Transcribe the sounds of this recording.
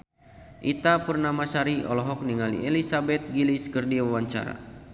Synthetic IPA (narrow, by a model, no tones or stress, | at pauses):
ʔit̪apurnamasaɾiʔɔlɔɦɔk̚niŋalḭelisabɛt̪̚ɡiliskərdiwawaɲt͡ʃa̰ɾa̰